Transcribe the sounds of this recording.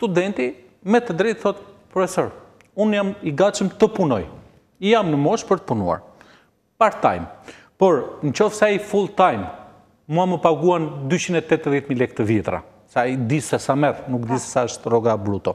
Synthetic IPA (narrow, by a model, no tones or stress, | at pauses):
st̪ud̪ɛnt̪i | mɛt̪əd̪ɾɛjt̪θɔt̪̚pɾɔfɛsɔɾ | unjamiɡat͡ʃəmt̪əpunɔj | ijamnəmɔʃpəɾt̪ə̥punṵa̰ɾ | paɾt̪a̰jm | pɔɾnt͡ʃɔfsaifulˠt̪ajm | muaməpaɡuand̪yt͡ɕinɛt̪ɛt̪ðjɛt̪milɛk̚t̪əvit̪ɾa̰ | said̪isasamɛðnukd̪isɛsaəʃt̪rɔɡablut̪ɔ